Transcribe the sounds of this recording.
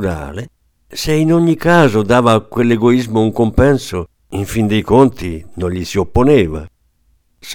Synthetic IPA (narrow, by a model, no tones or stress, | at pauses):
ɾa̰ːle | seinoɲːikaːzod̪aːvakwelːeɡoizmouŋkompɛnso | iɱfind̪eikont̪inoɲʎːisiopːonɛːva̰ | s